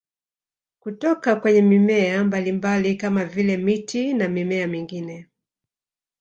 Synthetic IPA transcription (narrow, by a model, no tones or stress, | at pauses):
kutɔkakwɛɲɛmimɛambalimbalikamavilɛmitʰinamimɛamiŋɡinɛ